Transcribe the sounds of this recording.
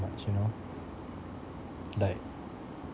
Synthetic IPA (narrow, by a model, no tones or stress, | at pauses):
ma̰t͡ʃjuno | laɪk̚